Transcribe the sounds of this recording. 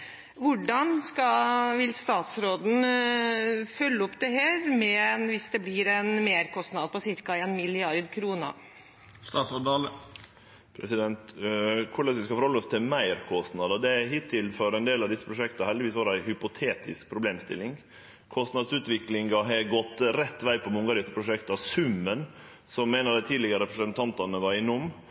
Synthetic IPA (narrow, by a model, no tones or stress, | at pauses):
ʋʊɖɑnskɑʋɪlst̪ɑːt̪sɾoːd̪n̩ | fœlːəɔpt̪ɛɦæːɾmɛɛnʋɪsd̪ɛblɪɾɛnmeːɾkʰɔst̪nɑd̪əpɔsɪɾkɑeːnmɪlɪɑɾd̪kʰɾuːnə̰ | st̪ɑːt̪sɔd̪ɑːlə | pʰɾɛsɪd̪ɛnt̪kʰʊɭɛsʋɪskɑfɔɾhɔlːəɔst̪ʰɪlmæɪɾkʰɔst̪nɑd̪ɑd̪ɛæɦɪt̪ʰːɪlfɔɾæɛnd̪eːlɑʋd̪ɪsːə̥pʰɾʊʂɛkt̪ɑhɛld̪ɪʋiːsʋɑːɾæɪhʏpʊt̪ʰeːt̪ʰɪsk̚pʰɾʊbleːmst̪ɪ̰lːɪŋ | kʰɔst̪nɑd̪sʉːt̪ʋɪklɪŋɑɦɑɡɔt̪ːɾɛt̪ːʋæɪpʰɔmʊŋɡɑːɾɪspʰɾʊʂɛkt̪ɑsʉmːən | sɔmːeːnəɾd̪æɪt̪ʰiːd̪lɪɡəɾɾɛpɾəsənt̪ʰɑnt̪ɑnəʋɑɾɪnɔmː